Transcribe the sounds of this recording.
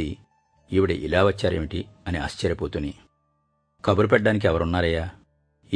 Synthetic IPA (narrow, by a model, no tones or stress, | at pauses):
i | iʋiɽiʔilaːʋɐt͡ʃːaːɾeːmiʈiɐnia̰ːst͡ʃɐɾjɐpoːt̪uni | kɐbuɾupɛɖ̚ɖaːnik̬iɛʋɐɾunːaːɾɐjaː | i